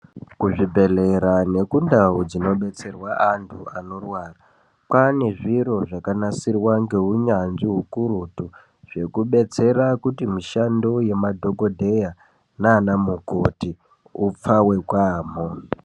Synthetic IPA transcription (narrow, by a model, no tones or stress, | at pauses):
kuʐibʱe̞le̞ɾane̞kundaud͡zino̞ɓe̞t͡se̞rwaʔantʰuano̞rwara | pane̞ʐiɾo̞ʐakanasirwaŋɡe̞uɲanʐiɦukuɾutu | ʐ̥e̞kuɓe̞t͡se̞ɾakutimiʃando̞je̞madʱo̞ɡo̞dʱe̞ja | naːnamukoti | up͡fawe̞kwaːmo